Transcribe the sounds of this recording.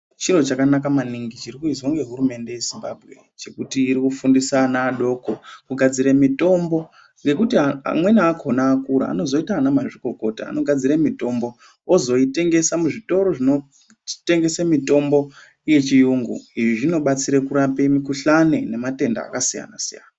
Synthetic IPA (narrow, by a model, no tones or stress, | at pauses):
t͡ʃiɾo̞t͡ʃakanakamaniŋɡit͡ʃiɾikuizwoŋɡe̞ɦuɾume̞nde̞je̞zimbabʱɣe̞̰ | t͡ʃe̞kutiːɾikufundisanaːɗo̞kokuɡʱad͡ziɾemito̞mbo̞ | ŋɡe̞kutiaa̰mwe̞naːkʰo̞naːkuɾa̰a̰no̞zo̞itaːnamaʐiko̞ko̞ta̰ːno̞ɡʱad͡ziɾemito̞mbo̞ | ozo̞ite̞ŋɡe̞samuʐito̞ɾo̞ʐino̞ | te̞ŋɡe̞semito̞mbo̞ | ije̞t͡ʃijuŋɡṵiʐiʐino̞ɓat͡siɾekuɾapemikuɬanene̞mate̞nda̰ːkasija̰na̰sija̰na